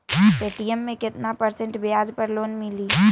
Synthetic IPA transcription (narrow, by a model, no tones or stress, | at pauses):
peːʈijəmːẽkɪt̪napəɾsẽɳʈbɪaːd͡ʒpəɾloːnmɪliː